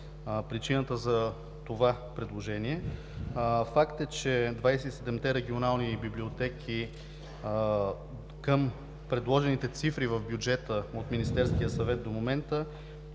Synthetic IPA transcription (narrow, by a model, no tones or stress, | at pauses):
pɾit͡ʃinət̪əzɐ | t̪ovapɾɛd̪lˠoʒɛniɛ | fakt̪ɛt͡ʃɛd̪vajsɛt̪isɛd̪ɛmt̪ɛɾɛɡʲionalˠnibibliot̪ɛkʰi | kəm | pɾɛd̪lˠɔʒɛnit̪ɛt̪sifɾivəvbjud͡ʒɛt̪əot̪minist̪ɛɾsk̟ijəsɐvɛt̪̚d̪omomɛnt̪ə